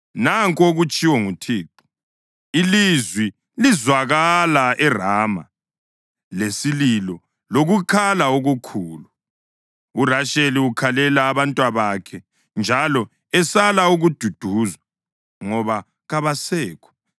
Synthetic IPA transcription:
naŋkʼoɣut͡ʃʼiwɔŋutʰiːǃu̥ | ilizwi | lizwaɣalaɛraːma̰ | lesililɔ | loɣukʰalaoɣukʰuːlu | uraʃeliukʰalɛlaːβantʼwaβakʰɛ | nd͡ʒʱalɔ | ɛsalauɣud̥ʱud̥ʱuːza | ŋɔβa | ɣaβasɛːkʰɔ̥

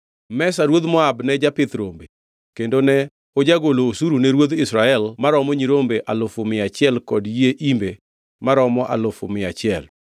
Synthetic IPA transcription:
mɛsaɾwod̪mɔabnɛd͡ʒapɪt̪ɾombe | kendonɛ | od͡ʒaɡoloːsuɾunɛɾwod̪ɪsɾaɛlmaɾɔmɔɲiɾombeʔalʊfʊmɪat͡ʃɪɛlkɔdjeʔimbe | maɾɔmɔʔa̰lʊfʊ̰mɪat͡ʃɪɛl

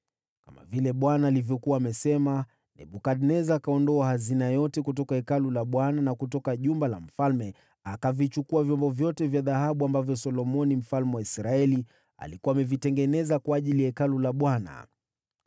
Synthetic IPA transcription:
kama̰vilɛɓwanaːlivjɔkuwaːmɛsɛma | nɛ̰ɓukadnɛzaːkaɔndɔahazinajɔtɛkut̬ɔkaɛkalulaɓwananakutɔkaʄumbala̰m̩falmɛ | akavit͡ʃukuavjɔmbɔvjɔtɛvjaðahaɓuambavjɔsɔlɔmɔnim̩falmɛwaisɾaɛli | a̰likuaːmɛvitɛŋɡɛnɛzakwaːʄilijaɛkalulaɓwana̰

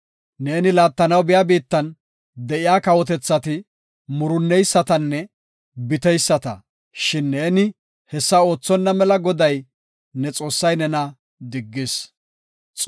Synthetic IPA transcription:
ne̞ːnɪlaːt̪ːɐnɐwbɪjaːbiːt̪ːɐn | d̪ɛʔɪjaːkɐwɔt̪̬ɛt͡sːɐt̪ɪ | mʊɾʊnːɛjsːɐt̪ɐnːɛ | bɪt̪ɛjsːɐt̪ɐ̰ | ʃɪnːe̞ːnɪ | hɛsːɐo̞ːt͡sːɔnːɐmɛlɐɡɔd̪ɐj | nɛt͡sʼo̞ːsːɐjnɛnɐ | d̪ɪɡːɪs | t͡sʼ

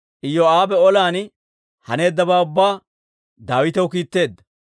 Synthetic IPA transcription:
ʔɪjːɔaːbɛɔlaːn | hɐ̰ne̞ːd̪ːɐbaːʊbːaː | d̪aːwɪt̪ɛwkiːt̪ːe̞ːd̪ːɐ̥

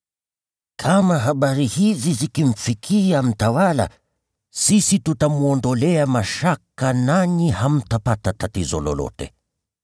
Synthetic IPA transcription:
kʰamaɦaɓaɾihizizikim̩fikʰiam̩tawala̰ | sisitutamuɔndɔlɛamaʃakananiham̩tapatatatizɔ̰lɔ̰lɔ̰tɛ̰

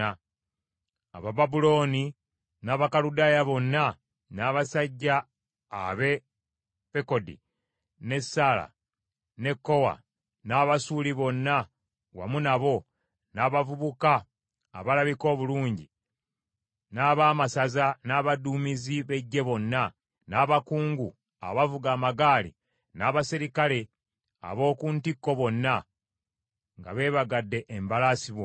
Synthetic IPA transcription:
a | a̰βababulo̞ːni | naːβakaludajaβo̞nːa | naːβasaɟːa̰ː | βe̞ | peko̞dḭ | ne̞sːala̰ | ne̞kːo̞wa̰ | naːβasuliβo̞nːa | wa̰munaβo̞ | naːβavuβuka̰ː | βalaβiko̞ːβuluːɲɟi | naːβaːmasazanaːβaduːmiziβe̞ɟːe̞βo̞nːa | naːβakuːŋɡu | a̰βavuɡaːmaɡaːlḭ | naːβasiɾikale̞ | a̰βo̞ːkuːntikːo̞βo̞nːa | ŋɡa̰βe̞ːβaɡadːe̞ʔːmbalasiβwo

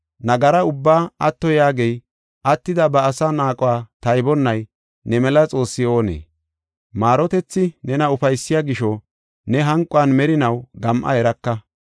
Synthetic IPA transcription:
nɐɡɐɾɐʊbːaːɐt̪ːɔjaːɡej | ʔɐt̪ːɪd̪ɐbɐːsaːnaːkʼʊwaːt̪ɐjbɔnːɐj | nɛmɛlɐt͡sʼo̞ːsːɪo̞ːnḛː | maːɾɔt̪ɛt͡sːɪnɛnɐʊfɐjsːɪjaːɡɪʃɔ | nɛɦɐŋkʼʊwanmɛɾɪnɐwɡɐmʔɐ̰hɛɾɐkːɐ

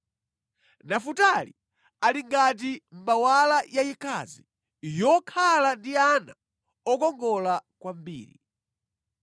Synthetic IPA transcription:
nafutali | aliŋɡat̬im̩mawalajajikʰa̰zi | jɔkʰalandiana | ɔkɔŋɡɔlakwambḭːɾḭ

